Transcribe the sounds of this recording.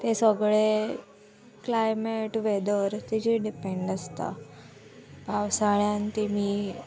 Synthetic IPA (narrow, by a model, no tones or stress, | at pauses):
t̪esəɡɭe | klajmeʈʋed̪əɾt̪id͡ʑiɖipeɳɖəst̪a̰ | bʱawsaɭjant̪imi